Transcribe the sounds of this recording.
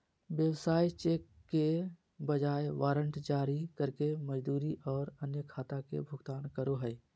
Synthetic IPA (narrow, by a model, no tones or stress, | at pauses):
ʋjəwsaːit͡ʃeːkːe | bəd͡ʒaːeʋaːɾə̃ɳʈd͡ʒaːɾikəɾkeməd͡ʒd̪uːɾiʔɔːɾənjəkʰaːt̪akḛbʱʊɡt̪aːnkəɾoɦɛː